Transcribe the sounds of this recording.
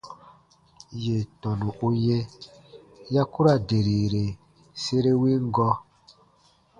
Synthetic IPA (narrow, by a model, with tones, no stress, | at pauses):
je˨tɔ̃˨nũ˨u˦jɛ̃˦ | ja˦ku˦ɾa˦˨de˨ɾiː˨ɾe˨ | se˦ɾe˦wĩ˦ŋ˦ɡɔ˦